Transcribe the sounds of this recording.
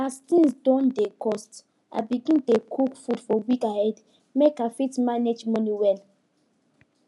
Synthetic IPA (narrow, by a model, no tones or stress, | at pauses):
astĩnsdɔ̃ndekɔst | ʔa̰biɡĩntekʰukfudfɔwikahɛd | mekafitmaned͡ʒmɔniwɛl